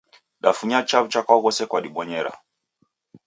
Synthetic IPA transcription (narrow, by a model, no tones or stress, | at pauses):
ɗafuɲat͡ʃavt͡ʃakwaɣɔsɛkwaɗiɓɔɲɛɾa̰